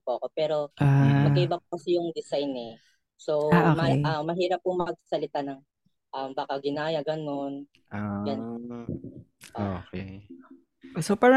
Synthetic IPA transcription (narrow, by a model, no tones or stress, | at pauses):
poʔɐko̞pɛːɾo̞ʔamɐkiʔɪbɐpokɐsɛjʊŋd̪ɪsajnɛ | so̞womɐʔamɐɦiːɾɐp̚kʊŋmɐkɐɡ̚sɐ̥sɐlɪt̪anɐŋ | ʔɐmbaːkɐɡɪnaːjɐɡɐno̞n | ojan | ʔookɛ | sopaːɾa